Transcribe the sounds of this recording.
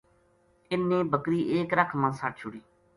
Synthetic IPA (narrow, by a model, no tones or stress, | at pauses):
ɪnːẽːbəkɾiːʔeːkɾəkʰmə̃ːsaʈt͡ʃʰʊɽiː